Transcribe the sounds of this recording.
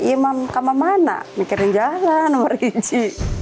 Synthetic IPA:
imamkamamana̰nikiɾind͡ʒalanːomərid͡ʒi

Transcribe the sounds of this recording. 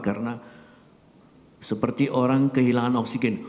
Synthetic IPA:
karna | səpərt̪iʔoɾaŋkəɦilaŋanɔksiɡɛn

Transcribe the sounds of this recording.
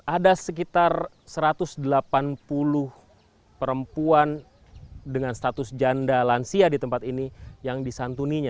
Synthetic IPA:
ʔadasək̬it̪ar | səɾat̪ʊsdəlapanpulʊh | pəɾəmpuan | dəŋanst̪at̪ʊsd͡ʒandalansiadit̪əmpat̪inijaŋdisant̪uniɲa

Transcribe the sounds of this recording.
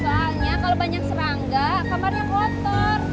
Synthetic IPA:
baɦaɲakalobaɲak̚səɾaŋɡakamarɲaklɔt̪ɔr

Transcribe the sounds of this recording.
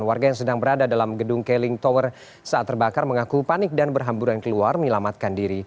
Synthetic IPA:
nwarɡajaŋsədaŋbəɾadadalamɡədʊŋkelɪŋt̪ɔwər | saat̪ːərbakarməŋakupanɪk̚danbərɦambuɾankəluarməɲəlamat̪̚kandiɾi

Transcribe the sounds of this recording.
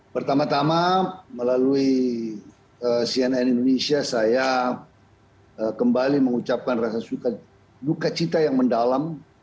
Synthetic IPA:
pərt̪amat̪amaməlalui | əsiɛnɛnindonesiasaja | əkəmbaliməŋut͡ʃap̚kanrasasuka | dukat͡ʃit̪ajaŋməndalam

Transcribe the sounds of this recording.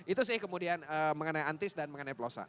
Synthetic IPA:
it̪usɪhkəmudianəməŋənajant̪ɪsdanməŋənajpəlosa̰

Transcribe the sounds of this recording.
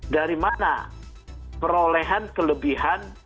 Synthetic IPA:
daɾimana̰ | pəɾoleɦankələbiɦan

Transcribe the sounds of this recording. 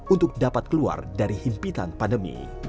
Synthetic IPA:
ʔunt̪ʊk̚dapat̪̚kəlua̰rdaɾihimpit̪a̰npandəmḭ

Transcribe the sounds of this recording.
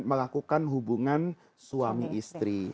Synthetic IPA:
məlakukanɦubuŋan | suamiʔist̪ɾi

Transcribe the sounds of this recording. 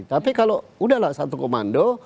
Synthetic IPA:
t̪apikaloudahlasat̪ukomando

